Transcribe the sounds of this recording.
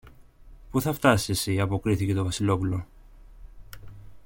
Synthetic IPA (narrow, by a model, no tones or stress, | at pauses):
puθɐft̪ɐsisesiɐpo̞kɾiθice̞t̪o̞vɐsilo̞pulo̞